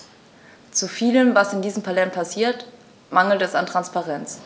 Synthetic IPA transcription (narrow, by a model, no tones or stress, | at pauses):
t͡sufiːləmvasɪndiːzəm̩pʰalɛnpʰasiːɐt | maŋl̩tɛsantʁ̥anspaʁɛnt͡s